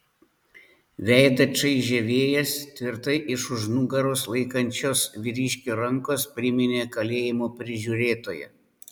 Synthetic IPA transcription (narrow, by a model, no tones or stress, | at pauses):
ʋʲæˑɪd̪ɐt͡ʃɐɪʒʲɛʋʲeːjɛst̪ʲʋʲɪɾt̪ɐɪʔɪʃʊʒnʊɡɐɾoːslˠɐɪkɐnʲt͡ʃʲoːsʋʲɪɾʲiːʃʲkʲoːɾɐŋkoːspʲɾʲɪmʲɪnʲeːkɐlʲeːjɪmoːpʲɾʲɪʒʲuːɾʲeːt̪oːjɛ̰